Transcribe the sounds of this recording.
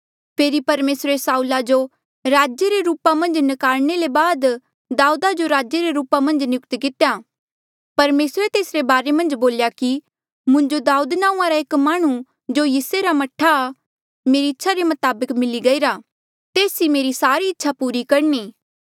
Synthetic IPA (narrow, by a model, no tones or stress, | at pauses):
pʰeːɾipɐɾmeːsɾesaːulad͡ʒo | ɾaːd͡ʒjeɾeɾuːpamɐ̃nd͡ʒnɪkaːlnelebaːd̪ | d̪aːuːd̪ad͡ʒoɾaːd͡ʒjeɾeɾuːpamɐ̃nd͡ʒnjʊkt̪ikɪt̪eja | pɐɾmeːsɾet̪eːsɾebaːɾemɐ̃nd͡ʒboːljaki | mʊ̃ɲd͡ʒod̪aːuːd̪naːũãɾaeːkmaːɽ̃ũ | d͡ʒojiːseɾamɐʈʰːa | meːɾiɪtːʃʰaɾemɐt̪aːbəkmɪliɡɐiɾa | t̪eːsimeːɾisaːɾiɪtːʃʰapuːɾikɐɽniː